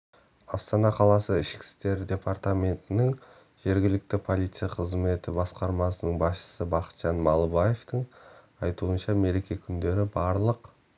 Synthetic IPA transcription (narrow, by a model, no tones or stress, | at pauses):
ɑst̪ɑnɑqʰɑlˠɑsəɪʃkʲɪ̥st̪e̞ɾd̪ʲe̞part̪amʲe̞nt̪ɪnɪŋ | ʒ̥e̞ɾɡʲɪlɪk̚t̪ɪpʰo̞lˠijt̪sɨjaqʰəzme̞t̪ɪbɑsqɑɾmɑsənəɴbɑsʃə̥səbɑqə̥t̪ʒ̥ɑnmɑlˠəbɑje̞ft̪əɴ | ɑjt̪uənʃɑme̞ɾe̞kʲe̞kʲʰʏnd̪e̞ɾɪbɑɾlˠəq